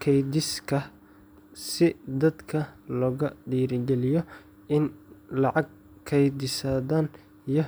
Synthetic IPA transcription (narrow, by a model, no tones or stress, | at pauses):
kʰɛjd̪ɪskʰɐ | sɪd̪ɐd̪kʰɐlɔːɣɐɖiːɾɪɡɛlɪjɔ | ɪnlɑʕɑɡ̚ | kʰɛjd̪ɪsaːðaːn | ijɞ